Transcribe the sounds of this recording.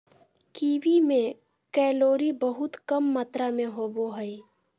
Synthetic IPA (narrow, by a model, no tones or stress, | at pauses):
kiːʋimẽ | kɛːloːɾibəɦʊt̪kəmːaːt̪ɾamẽɦoːboɦəi